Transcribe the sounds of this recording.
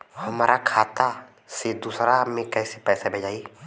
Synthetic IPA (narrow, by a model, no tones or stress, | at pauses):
həmaːɾakʰaːt̪a | sed̪uːsɾamẽkɛːsepɛːsabʱɐd͡ʒaːi